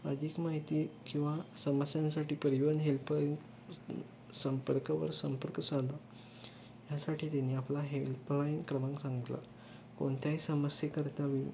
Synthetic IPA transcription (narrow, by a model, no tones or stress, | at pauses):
əd̪ʱiːkmaɦit̪iːkĩw̃ʋasəməsjãnsaʈiːpəɾiʋənɦelpn | səmpəɾkəʋə̰ɾsəmpəɾksala | jasaʈiːt̪aniːaplaɦelplajnkɾəmãŋksãŋɡit̪la̰ | ko̰ɳt̪jaɦisəməsjekəɾt̪aʋi